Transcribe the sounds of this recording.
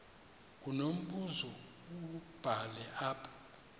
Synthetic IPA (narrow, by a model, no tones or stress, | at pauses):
k̬unom̩ɓuzɔ | ub̥ʱalɛʔaːpʰʼḁ